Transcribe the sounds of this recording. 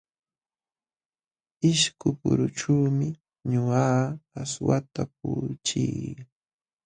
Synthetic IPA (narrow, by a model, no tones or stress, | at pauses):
ɪʃkʊpʊɾʊʈ͡ʂuːmɪ | ɲʊaːaswat̪ap̚ʊːt͡ʃiː